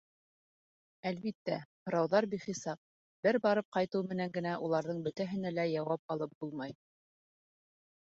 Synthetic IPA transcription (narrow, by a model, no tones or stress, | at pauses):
ælβit̪ːæhɤ̆ɾɑwðɑɾbiχisɑp̚ | bɘɾbɑɾɤp̚qɑjt̪ɤwmɘ̆næŋɡɘ̆næʔulˠɑɾðɤɴbɵ̆t̪æɦɘ̆nælæjɑwɑp̚ɑlˠɤp̚b̥ulˠmɑj